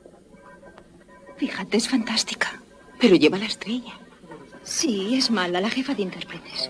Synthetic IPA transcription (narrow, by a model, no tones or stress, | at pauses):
fixat̪esfant̪ast̪i̥kḁ | pe̞ɾo̞ʝe̞βalaest̪ɾe̞ʝa | sie̞zmalalaxe̞faðeint̪e̞ɾpɾet̪e̞s